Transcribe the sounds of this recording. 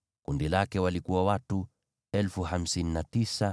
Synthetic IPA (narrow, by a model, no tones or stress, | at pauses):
kundilakɛwalikuwawatu | ɛlfuham̩sininatisa